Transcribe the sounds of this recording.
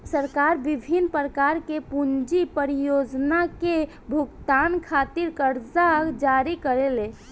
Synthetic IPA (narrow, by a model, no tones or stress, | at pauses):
səɾkaɾbibʱinːpɾəkaɾkepund͡ʒipəɾijod͡ʒnake | bʱuɡt̪ankʰat̪iɾkəɾd͡ʒaɡd͡ʒaɾikəɾele